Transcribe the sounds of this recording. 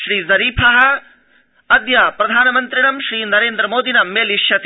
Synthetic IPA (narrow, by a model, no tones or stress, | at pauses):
ʃɾiːzɐɾiːpʰɐɦɐ̆ | ɐd̪jɐpɾɐd̪ʱaːnɐmɐnt̪ɾiɳɐmʃɾiːnɐɾeːnd̪ɾɐmoːd̪ʱinɐmeːliʃjɐt̪